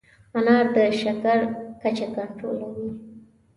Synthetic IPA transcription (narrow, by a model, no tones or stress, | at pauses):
anɑɾd̪əʃakaɾkat͡ʃakaɳʈɾo̰lawi